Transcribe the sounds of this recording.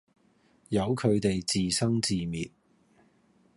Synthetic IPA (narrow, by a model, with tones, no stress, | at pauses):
jɐ˨˧wkʰɵ˨˧ɥt̪e˨jt͡siː˨sɐ˥ŋt͡siː˨mḭː˨t̚